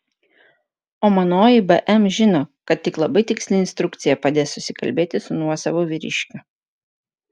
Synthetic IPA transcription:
oːmɐnoːjɪbɛʔɛmʒʲɪnoːkɐt̪ʲtʲɪklˠɐbɐɪt̪ʲɪksʲlʲɪnst̪ɾʊkt̪sʲɪjɛpɐd̪ʲeːsʊsʲɪkɐ̰lʲbʲeːt̪ʲɪsʊnuɔsɐʋoːʋʲɪɾʲɪ̰ʃʲkʲʊ

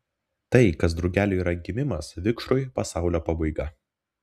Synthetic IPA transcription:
t̪ɐɪkɐs̬d̪ɾɐʊɡʲæːlʲɪiːɾɐɡʲɪmʲɪmɐsʋʲɪkʃɾʊɪpɐsɑˑʊlʲoːpɐbɐɪɡɐ

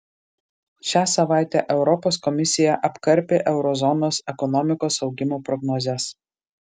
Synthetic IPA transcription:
ʃʲæːsɐʋɑˑɪt̪ʲɛʔɛʊɾɔpoːskɔmʲɪsʲɪjɛʔɐpkɐɾʲpʲeʔɛʊɾɔzɔnoːsɛkɔnɔmʲɪkoːsɒʊɡʲɪmoːpɾɔɡnɔzʲɛs

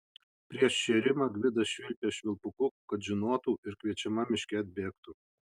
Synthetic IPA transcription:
pʲɾʲiɛʃʃʲeːɾʲɪmɑɡʋʲɪd̪ɐsʃʲʋʲɪlʲpʲeːʃʲʋʲɪlˠpʊkʊkɐt̪ʒʲɪnoːt̪uːɪɾkʲʋʲiɛt͡ʃʲɛmɐmʲɪʃʲkʲɛɐt̪̚ʲbʲeːkt̪u

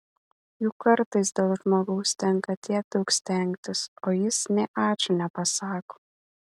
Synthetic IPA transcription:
juːkɐɾt̪ɐɪs̬d̪ʲeːlˠʒmoːɡɐʊst̪ʲɛŋˑkɐt̪ʲiɛk̚d̪ɐʊksʲt̪ʲɛŋʲk̚t̪ʲɪsoːjɪsnʲɛʔɑːt͡ʃʲʊnʲɛpɐsɑːkoː

